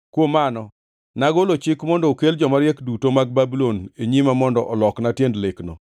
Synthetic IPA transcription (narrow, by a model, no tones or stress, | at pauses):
kwomanɔ | naɡɔlot͡ʃɪkmɔndɔokeld͡ʒɔmaɾjɛkdutomaɡ̚babiloneɲimamɔndɔʔɔlɔknatjendlɪknɔ̰